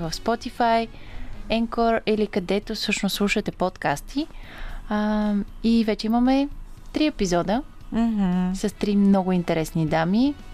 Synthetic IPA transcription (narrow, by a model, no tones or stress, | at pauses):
vəfspɔt̪ifaj | ɛŋkɔɾilikɐd̪ɛt̪osɤʃnoslˠuʃət̪ɛpɔt̪kast̪ʰi | ivɛt͡ʃɛimɐmɛ | t̪ɾiɛpizɔd̪ə | m̩ɦ̩sɐst̪ɾimnɔɡʊint̪ɛɾɛsnid̪ami